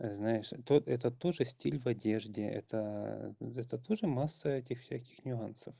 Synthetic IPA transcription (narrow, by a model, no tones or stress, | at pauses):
znajɪʂt̪oɛt̪ət̪o̞ʐɨsʲtʲilʲvɐdʲeʐdʲɪʔɛ̰t̪ə | ɛt̪ət̪o̞ʐɨmasːəɛtʲɪxfsʲækʲɪ̥xnʲʊansəf